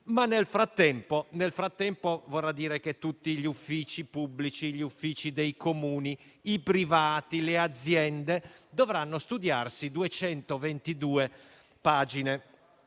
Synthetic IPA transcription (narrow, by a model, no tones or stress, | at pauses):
manːelfɾat̪ːɛmponelfɾat̪ːɛmpovɔrːad̪ːiːɾeket̪ːut̪ːiʎufːiːt͡ʃipublit͡ʃiʎiufːiːt͡ʃid̪ejkomuːni | ipɾivaːt̪ilead̪zːjɛnd̪ed̪ɔvɾanːost̪ud̪jarsid̪uɛt͡ʃɛnt̪ovent̪id̪uːe | paːd͡ʒine